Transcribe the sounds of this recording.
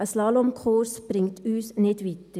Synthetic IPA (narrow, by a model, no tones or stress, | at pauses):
əslɑːlomkʰχorsb̥rɪŋtyːsnɛtʋit̪ə